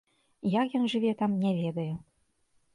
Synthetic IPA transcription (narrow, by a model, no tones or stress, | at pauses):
jakjɔnʐɨvʲɛt̪amnʲɛvʲɛd̪ɐju